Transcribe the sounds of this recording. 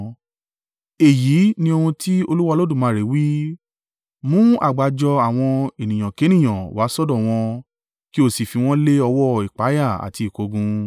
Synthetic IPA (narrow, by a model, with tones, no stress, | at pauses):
e˨ji˨˦nĩ˧o˧hũ˧tʰi˦o˧lu˦wa˧lo˦dũ˦˨mãː˨˦ɾe˨˦wi˦ | mũ˨˦a̰˦˨ɡ͡ba˨d͡ʒɔ˧a˨w̃ɔ̃˧e˨nĩ˨j̃ã˨ke˨˦nĩ˦˨j̃ã˨wa˨˦sɔ˦dɔ˦˨w̃ɔ̃˧ | ki˦o˦˨si˨fi˧w̃ɔ̃˦le˦ɔ˧wɔ˦i˨k͡pa˨˦ja˦˨a̰˨ti˧˨ko˧ɡũ˧